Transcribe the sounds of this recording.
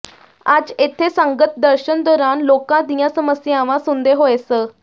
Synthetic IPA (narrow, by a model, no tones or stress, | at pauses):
ad͡zet̪ʰesə̃ŋɡət̪d̪əɾɕənd̪ɔːɾaːnlokãd̪ijãsəməsjaʋãsund̪eɦoesə